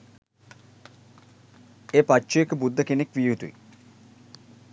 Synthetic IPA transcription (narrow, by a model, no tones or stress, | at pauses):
eːpatːt͡ʃuekəbud̪ːəkenekʋijut̪uḭ